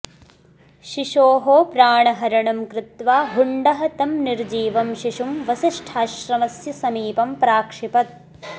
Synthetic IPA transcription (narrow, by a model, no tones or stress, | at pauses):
ʃiʃoːɦoːpɾaːɳɐɦɐɾɐɳɐmkɾɪt̪ʋaːɦuɳɖɐɦɐt̪ɐmniɾd͡ʒiːʋɐmʃiʂumʋɐsiʂʈʰaːʃɾɐmɐsjɐsɐmiːpɐmpɾaːkʂipɐt̪̚